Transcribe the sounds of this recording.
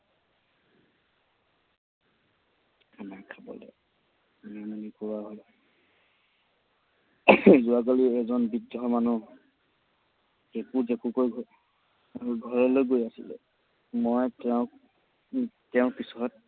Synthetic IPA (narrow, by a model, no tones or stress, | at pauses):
anakʰabɔ̰lɛ̰ | namanikɔɹaɦoj | zʊakaliɛzɔnbidɔmanu | ekuzekukojɡʱ | ɡʱɔɹɔlojɡojasilɛ̰ | mojtɛʊ̃k | tɛʊ̃pisɔɔt̚